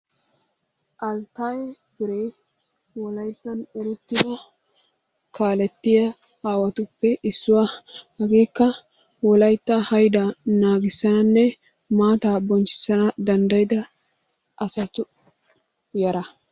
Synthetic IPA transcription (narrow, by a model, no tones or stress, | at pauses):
ʔɐlt̪ajɛ | bɪɾeː | wɔlɐjt̪ːɐnɔɾʊt̪ːɪd̪ɐ | kaːlɛt̪ːɪjɐ | haːwɐt̪ʊpːɛʔɪsːʊwaːhɐɡe̞ːkːɐ | wɔlɐjt̪ːɐhɐjd̪ɐnaːɡɪsːɐnɐnːɛ | maːt̪aːbɔnt͡ʃɪ̥sːɐnɐd̪ɐnd̪ɐjd̪ɐ | ʔɐsɐt̪ʊ | jɐɾɐ